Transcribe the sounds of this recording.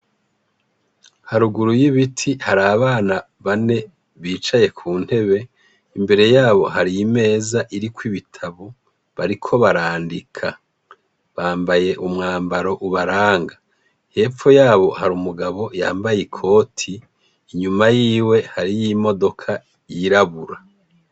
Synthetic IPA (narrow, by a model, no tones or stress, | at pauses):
haɾuɡuɾujiβitʰihaɾaːβaːna | βane̞ | βiːt͡ʃaje̞kʰuːn̥he̞βe̞ | imbe̞ɾe̞jaːβo̞haɾijime̞ːzaʔiɾikwiβitʰaβo | βaɾikʰo̞βaɾaːndikʰa | βaːmbaje̞ʔumŋaːmbaɾo̞ʔuβaɾaːŋɡa | he̞ːp͡fojaːβo̞haɾumuɡaβo̞ja̰ːmbajekʰo̞ːtʰiː | ɲumajiːwe̞haɾijimo̞do̞kʰa | jiɾaβuɾa